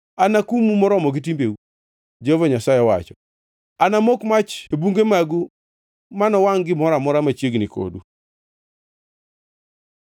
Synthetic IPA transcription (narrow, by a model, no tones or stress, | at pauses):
anakumumɔɾɔmɔɡit̬imbeu | d͡ʒovɔɲasajɛwa̰t͡ʃɔ | anamokmat͡ʃebuŋɡemaɡu | manɔwaŋɡɪmɔɾamɔɾamat͡ʃjeɡniko̰du